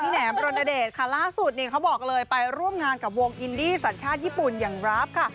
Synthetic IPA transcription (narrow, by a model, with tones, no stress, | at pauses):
iː˧˩nɛː˩˦mpɾo˧nʔa˧deː˨˩t̪̚kʰa˥˩laː˥˩su˨˩t̪̚niː˧˩kʰa˦˥wbɔː˨˩k̚lɤː˧jpa˧jɾu˥˩əmŋaː˧nka˨˩p̚woː˧ŋʔi˧ndiː˥˩sa˨˩˦nt͡ɕʰaː˥˩jiː˥˩pu˨˩njaː˨˩ŋɾa˦˥p̚kʰa˥˩